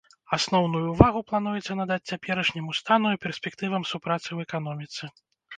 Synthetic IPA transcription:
asnɔwn̪ujuvaɣuplˠanujɛt̪sʲɐnad̪at͡sʲt͡sʲapʲɛɾɐʂnʲimust̪anuipʲɛrsʲpʲɛkt̪ɨvɐmsupɾat̪sɨwɛkan̪ɔmʲit̪sɨ

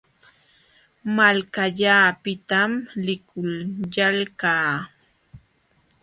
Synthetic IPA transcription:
malkaʎaːpɪt̪amlɪkʊljalkaː

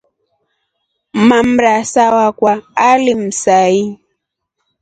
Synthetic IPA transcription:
mam̩ɾasawakwaːlim̩sai

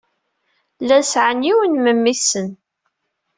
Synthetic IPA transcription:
lænsʕəniwənməmːiθsən

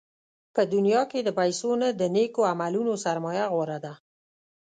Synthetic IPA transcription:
pəd̪unjɑked̪əpajsonad̪ənekoamalunosaɾmɑjaɣwoɾad̪a

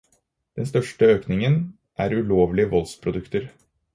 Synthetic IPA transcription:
d̪̥ɛnst̪œʂʈəøːknɪŋən | ʔæɾʉloːʋlɪəʋɔlspʰɾʊd̪ʉkt̪əɾ

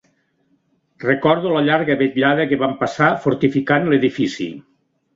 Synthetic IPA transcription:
rekɔɾðuləʎaɾɣəβeʎaðəkeβampasafoɾt̪ifikanleðifisḭ

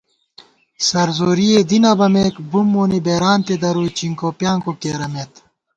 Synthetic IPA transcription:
sɐɾzoːɾied̪inɐbɐmeːkbumːoːnibeːɾaːnt̪ed̪ɐɾuːjt͡ɕiŋkoːpjaːŋkokeːɾɐmet̪

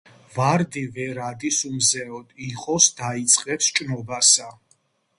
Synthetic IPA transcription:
vaɾd̪ivɛɾad̪isumzɛɔd̪ʼiqʼɔsd̪ait̪sʼqʼɛpst͡ʃʼnɔbasa

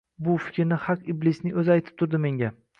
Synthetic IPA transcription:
bʊfɪ̥kʲʰɾnɪhaqiblɪsnɪŋɵzɪajt̪ʰɪ̥p̚t̪ʰʊɾd̪ɪme̞ŋɡʲa

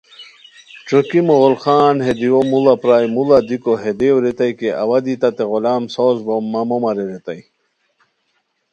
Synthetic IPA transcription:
t͡ɕokimoʁolχaːnhed̪iwomulapɾaːjmulɐd̪ikoɦed̪ewɾet̪ajkeʔɐ̰wad̪it̪ɐt̪eɣolaːmsoːzbomːɐmomɐɾeɾet̪aj

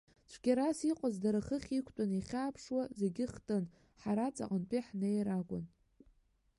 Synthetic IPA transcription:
t͡ʃʷʰɡ̥ʲaɾasiqʷʼazdaɾaχəχʲikʷʰtʼaniχʲaːpʰʂwaze̞ɡʲɪχtʼɨn | ħaɾat͡sʼa̰qʼənt͡pʼiħnejɾaɡʷʼʊ̰n

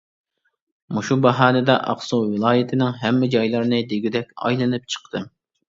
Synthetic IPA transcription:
muʃubɑɦɑːnɨd̪ɛʔɑ̰qsuwɨlˠɑːjɪt̪ʰɪnɪŋɦɛmːɪd͡ʒɑjlˠɨɾnɨd̪eɡʲid̪ɛkʲɑ̰jlˠɨnɨp̚t͡ʃʰə̥qt̪ʰɨ

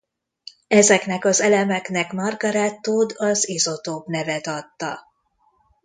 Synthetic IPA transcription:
ɛzɛknɛkɒzɛlɛmɛknɛkmɒrɡɒɾaːt̪ːuːd̪ɒzizot̪oːbnɛvɛt̪ɒt̪ːɒ

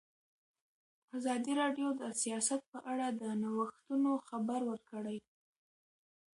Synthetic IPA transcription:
azɑd̪iɾɑɖjod̪əsijɑsat̪̚pəʔaɽad̪ənawəxt̪unoxabaɾwəɾkəɽaj

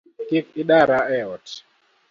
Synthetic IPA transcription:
kik̚iɗaɾaɛɔt

